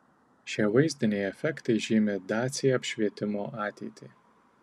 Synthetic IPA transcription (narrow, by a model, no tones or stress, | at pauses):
ʃʲɛvɐɪzʲd̪ʲɪnʲɛjɛfʲɛkt̪ɐɪʒʲiːmʲɛd̪ɑːt̪sʲɪjɛɐpʲʃʲʋʲiɛt̪ʲɪmoːʔɑːt̪ʲɛɪt̪ʲʰi